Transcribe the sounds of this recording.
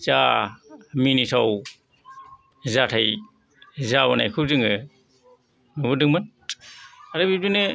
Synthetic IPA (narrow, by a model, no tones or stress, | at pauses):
t͡ʃa | minisʰaw | zatʰaj | zaβanajkʰɯzɯŋɯ | nubɯdɯŋmɯn | aɾɯbidinɯ